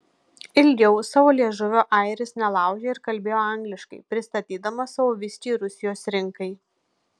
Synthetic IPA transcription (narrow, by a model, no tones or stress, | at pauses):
ɪlʲɡʲɛʊsɑʋoːlʲiɛʒʊʋʲoʔɐɪɾʲɪsnʲɛlˠɑˑʊɡʲeːɪɾkɐlʲbʲeːjoːɐŋɡlʲɪʃkɐɪpʲɾʲɪst̪ɐt̪ʲiːd̪ɐmɐsɐʋoːʋʲɪsʲt͡ʃʲiːɾʊsʲɪjoːsɾʲɪŋkɐɪ